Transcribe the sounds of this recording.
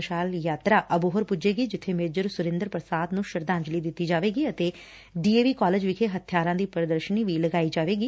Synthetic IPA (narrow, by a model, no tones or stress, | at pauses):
ʃaːljaːt̪ɾaːʔəbʊɦəɾpʊd͡ʒeːɡiːd͡ʒɪt̪ʰːeːmeːd͡ʒəɾsʊɾɪ̃nd̪əɾpɾəsaːd̪nũːʃəɾd̪ãːɲd͡ʒliːd̪ɪt̪ːiːd͡ʒaːʋeːɡiːət̪eː | ɖiːeːʋiːkaːleːd͡ʒʋɪkʰeːɦət̪ʰjaːɾãːd̪iːpəɾd̪əɾʃəniːʋiːləɡaːiːd͡ʒaːʋeːɡiː